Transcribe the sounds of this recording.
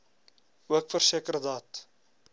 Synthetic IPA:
uəkfərsiəkəɾədɑːt

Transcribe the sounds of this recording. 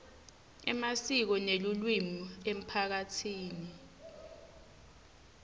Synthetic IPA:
ɛmasik̬ɔnelulwimuem̩pʰak̬atʰiːni

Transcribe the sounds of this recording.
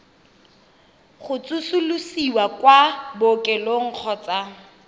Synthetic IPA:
χʊt͡sʼusulusiwakwabʊkʼɛloŋ̩k͡xʰɔt͡sa

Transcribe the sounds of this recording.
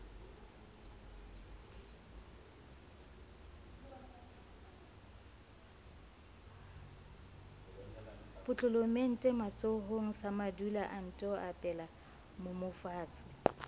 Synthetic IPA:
pʼʊt͡ɬʼʊlomen̩tʼɛmat͡sʼoɦoŋ̩samadulaʔan̩tʼɔapʼɛla | momʊfaːt͡sʼɪ̥

